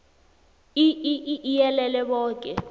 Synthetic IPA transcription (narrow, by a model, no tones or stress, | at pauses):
iiʔiʔijɛlɛlɛɓɔːk̬ʼɛ